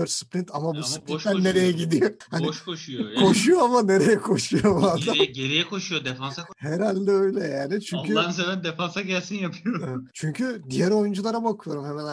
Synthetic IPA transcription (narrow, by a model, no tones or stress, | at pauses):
øɾspɾint̪ʰamabuspɾit̪ːænːeɾejɛɟid̪ijohaniʃkoʃujokʰo̞ʃujoamane̞ɾejɛkʰo̞ʃujobad̪aɟeɾijɛkʰo̞ʃujod̪efansakheɾalʲd̪ɛøjlʲɛjaːnɪt͡ʃʰyɲkʰyasebænd̪efansaɟælʲsinjapʰɯjoɾt͡ʃʰyɲcʰyd̪ijæɾo̞jund͡ʒulˠaɾabakʰɯjo̞ɾumhemæn